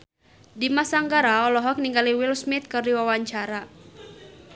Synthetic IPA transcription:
dimasaŋɡaɾaɔlɔɦɔk̚niŋɡaliwilsmit̪̚kɨrdiwawaɲt͡ʃaɾa

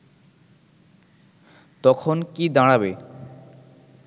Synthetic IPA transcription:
t̪ɔkʰonkid̪aɽ̃abe

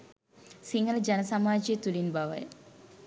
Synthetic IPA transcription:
siŋɡɐlɐd͡ʒɐnɐsamaːd͡ʒijət̪ulinbaʋɐ̰jə

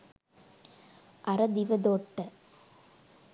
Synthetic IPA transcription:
ʔɐɾɐd̪ɪʋɐd̪oːʈːɐ

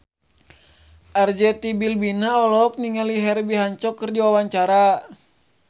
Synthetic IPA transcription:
ʔard͡ʒɛt̪ibilbinaɔlɔk̚niŋaliɦɛrbiɦaɲt͡ʃɔkːərdiwawaɲt͡ʃaɾa

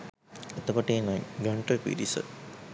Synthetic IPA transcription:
et̪əkoʈeːnajɡəɳʈəpḭɾisə̰

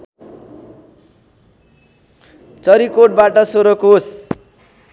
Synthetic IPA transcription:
t͡sʌɾikoʈ̚baʈʌsoɾokos

